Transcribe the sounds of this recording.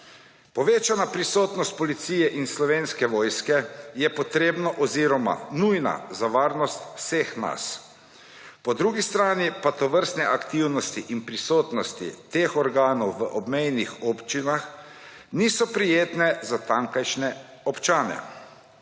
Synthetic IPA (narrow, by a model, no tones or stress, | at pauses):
pɔʋeːt͡ʃanapɾisoːt̪nɔst̪̚pɔlit̪siːjɛʔinslɔʋeːnskɛʋɔːjskɛjɛpɔt̪ɾeːbnɔʔɔziɾɔma̰nujna̰zaʋaːɾnɔst̪wsexna̰s | pɔd̪ɾuːɡist̪ɾaːnipat̪ɔʋəɾst̪nɛʔakt̪iwnɔst̪iʔinpɾisoːt̪nɔst̪ḭt̪eːxɔɾɡaːnɔwʋəʔɔbmɛjnixɔpt͡ʃinax | niːsɔpɾijeːt̪nɛzat̪aŋkajʃnɛɔpt͡ʃaːnɛ̰